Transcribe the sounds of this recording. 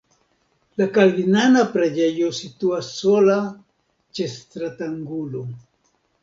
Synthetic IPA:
lakalvinanapɾad͡ʒejosit̪uasːola | t͡ʃest̪ɾat̪aŋɡulo

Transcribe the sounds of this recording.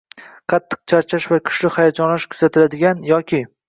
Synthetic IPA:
qʰɑt̪ʰːɨ̥q̚t͡ʃʰaɾt͡ʃʰaʃvakʰʊ̥ʃlɪhajad͡ʒɒnlaʃkʰʊ̥z̥at̪ʰɪlad̪ɪɡʲanjɒkʲʰɪ

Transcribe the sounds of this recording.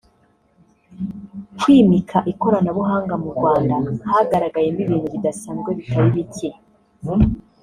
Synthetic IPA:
kwiːmikʰaʔiko̞ɾanaβuɦaːŋɡamuɾɡwaːndahaɡaɾaɡaje̞niβiːnuβidasaːnɡeβitaɾiβice

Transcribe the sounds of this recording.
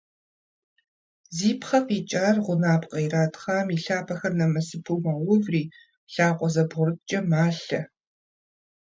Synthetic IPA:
ziːpʰχɐfiːt͡ʃʼaːrʁʷʊnaːpqʼɐjraːtʰʼχaːmiɬaːpʰɐxɐrnɐmɐsɨpʰumaːwʊvriː | ɬaːqʷʼɔzɐbʁʊrɨt̚t͡ʃʼɐmaːɬɐ

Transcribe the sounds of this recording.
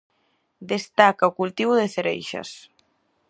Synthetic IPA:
d̪est̪akaukult̪iβuðeθeɾḛjʃɐ̰s

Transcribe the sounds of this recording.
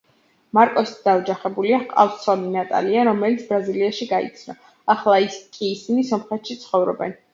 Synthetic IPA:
maɾkʼɔsi̥t̪ʰd̪̥aɔd͡ʒaχɛbuliaqʼa̰fssɔninat̪ʼa̰liaɾɔmɛlit̪sʰbɾaziliaʃiɡaḭt̪sʰnɔ̰ | aχlˠaiskʼiːsinisɔmχɛt̪ʃit̪sʰχɔvɾɔ̰bɛ̰n

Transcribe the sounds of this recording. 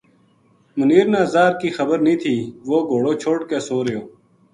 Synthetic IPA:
mʊniːɾnaːzaːɾkiːxəbəɾnĩːt̪ʰiːʋoːɡʱoːɽoːt͡ʃʰoːʈkeːsoːɾəjoː

